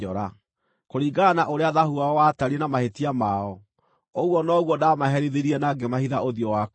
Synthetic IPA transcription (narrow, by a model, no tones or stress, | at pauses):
ɔɾa | koɾiːɡanaʔoɾeaðahuaɔwataɾienamahetiamaɔ | oɣwɔnɔɣwɔdamaɦɛɾiðeɾiɛnaɡemahiðaʔoðjɔwak